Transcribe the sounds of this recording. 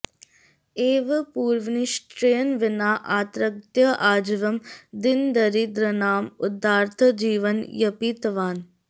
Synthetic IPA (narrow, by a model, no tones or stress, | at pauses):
eːʋɐpuːɾʋniʃʈɾejənʋɪnaːʔaːt̪ɾɐk̚t̪jɐʔaːd͡ʒʋɐmd̪ɪnd̪ɐɾid̪ɾɐnaːmʊd̪aːɾt̪ʰɐd͡ʒiːʋənjɐpit̪ʋaːn